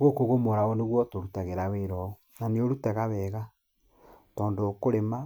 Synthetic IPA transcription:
ɣokoɣomoɾaoneɣwɔtoɾutaɣeɾaweɾɔo | naneoɾutaɣaβɛːɣa | tɔːndokoɾema

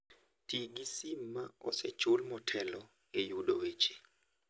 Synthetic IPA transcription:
tiɡisimːaɔ̰sɛt͡ʃʊlmɔtʰɛlɔ | ejudowet͡ʃe̥

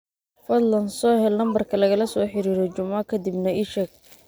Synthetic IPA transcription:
fɐd̪lɐnsɔːɦɛlnɐmbɐrkʰɐlɐɣɐlɐsɔːħɪɾiːɾɔt͡ʃʊmakʰɐd̪ibnɐɪʃɐɡ̚

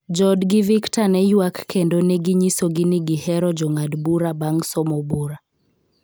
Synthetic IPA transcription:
d͡ʒɔdɡɪviktanɛjwakːendonɛɡiɲisoɡiniɡihɛɾɔd͡ʒɔŋadbuɾabaŋsɔmɔbuɾa

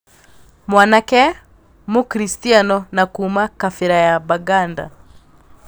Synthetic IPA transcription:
mwanakɛ | mokɾistianɔnakuːmakafɛɾajabaɡanda̰

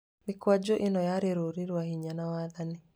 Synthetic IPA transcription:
mikwad͡ʒoʔenɔjaɾeɾoɾiɾwahiɲanawaðani

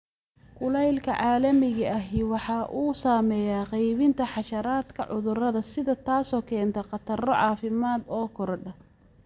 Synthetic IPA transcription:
kʰʊlɛjlkʰɐʕɑːlɐmɪɣɐɐɦiwɑħɑːʔuːsaːmɛːjaːqɛjβɪnt̪ʰɐħɑʃɐɾaːd̪kʰɐʕʊðʊrɐðɐsɪðɐt̪ʰaːsɔːkʰɛːnt̪ʰɐqɑt̪ʰɐrɔʕɑːfɪmaːd̪ɔːkʰɔɾɔɖɐ

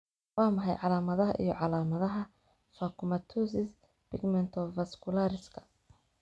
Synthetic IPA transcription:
wɑːmɑħɛjʕɑlaːmɐðɐɦɐ̰ʔḭjɔʕɑlaːmɐðɐɦɐ | faːkʰʊmɐt̪ʰusɪs | pɪɡmɛnt̪ʰɔfɐskʰʊlaɾɪskʰɐ̥

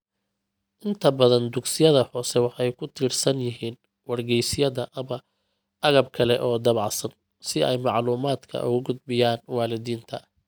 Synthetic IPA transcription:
ʔɪnt̪ʰɐbɐðɐnd̪ʊɡsɪjɐðɐhɔːsɛwɑħɛjkʰʊt̪ʰiːrsɐnjɪɦiːn | wɐrɡɛjsɪjɐðɐʔɐ | ʔɐɣɐb̚kʰɐlɛʔɔːd̪ɐβɑʕsɐn | sɪɛjmɑʕluːmaːd̪kʰɐ̰ʔʊ̰ɣʊɡʊd̪̚bɪjaːnwɑːlɪðiːnt̪ʰɐ

